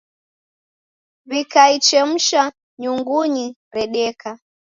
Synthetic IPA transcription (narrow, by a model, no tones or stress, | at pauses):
vikait͡ʃɛm̩ʃa | ɲuŋɡuɲi | ɾɛɗɛka